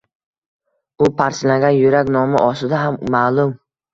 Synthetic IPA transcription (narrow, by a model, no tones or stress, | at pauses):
ʊpʰaɾslaŋɡʲanjʊɾakʲnɒmɪ̰ʔɒsɪd̪aɦamːaːlˠʊm